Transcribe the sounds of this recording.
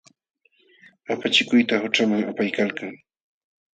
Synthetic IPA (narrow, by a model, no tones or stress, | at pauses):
apat͡ʃɪkʊjt̪ahʊʈ͡ʂamaŋapajkalkaŋ